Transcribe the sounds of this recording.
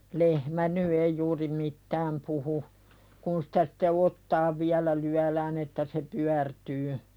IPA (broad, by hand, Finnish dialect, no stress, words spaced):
lehmæ ny ei juːri mitːæːm puhu kun sĭ̥tæ sĭ̥tːe otːɑːʋ ʋiælæ lyælæːn etːæ se pyærtyː